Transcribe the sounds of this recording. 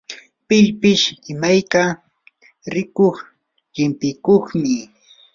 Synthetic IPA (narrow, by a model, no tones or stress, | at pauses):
pɪʎpɪʃɪmajka | ɾɪkoχ | ʎɪmpɪkoχmɪ